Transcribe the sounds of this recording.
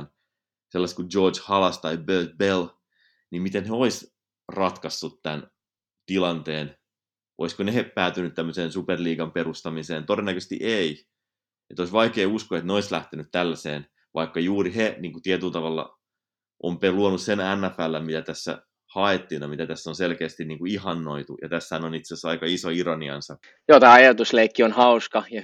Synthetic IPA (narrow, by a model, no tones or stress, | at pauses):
n | selːɑst̪kud͡ʒoːt͡ʃhɑlɑst̪ɑibøːt̪̚bel | nimmit̪enheois | rɑt̪kɑsːut̪t̪æn | t̪ilɑnt̪eːn | ʔo̰iskonehepæːt̪ynyt̪t̪æmːøseːnsuperliːɡɑmperust̪ɑmiseːnt̪odenːækøsest̪ḭʔei | et̪oisʋɑikeːuskoet̪neoislæht̪enyt̪t̪ælːæsḛːn | ʋʔɑikːɑjuːriheniːŋkut̪iet̪ylt̪ɑʋɑlːɑ̰ | ʔompeluonussenænːæfælːæmit̪æt̪æsːæ̰ | hɑet̪ːiːnɑmit̪æt̪æsːonselkeːst̪inniːŋkuihɑnːoit̪ujɑ̰t̪æsːhænonit̪sesɑikɑisoiɾɑniɑ̰nsɑ | joːt̪æːˑɑjɑt̪usleikːionhɑuskɑjɑ